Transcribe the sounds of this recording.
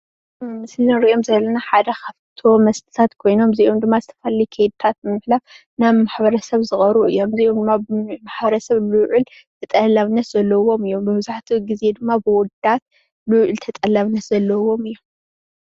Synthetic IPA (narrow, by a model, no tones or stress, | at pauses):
mɨslɾiʔomzɐlːɐnaħad̪ɐkʰaβt̪ʰo̞mɐst̪ʰɨ̥t̪ʰat̪kʰo̞jno̞mziʔomd̪ɨmːazɨt̪ʰɐfɐlijkʰejd̪̚t̪ʰat̪̚mɨmɨħlaf | naβmaħbɐɾɐsɐβzɨxʼɐɾuʔɨjːo̞mziʔomd̪ɨmːamaħbɐɾɐsɐβluʕɨl | t̪ʰɐt̪ʼɐlaβnːɐt̪z̥ɐlːɐwo̞mɨjːo̞mbɨβzaħt̪ʰiɡize̞d̪ɨmːabɨwɔd̪at̪̚ | luʔɨlt̪ʰɐt̪ʼɐlːaβnɐt̪zɐlːɐwo̞mɨjːom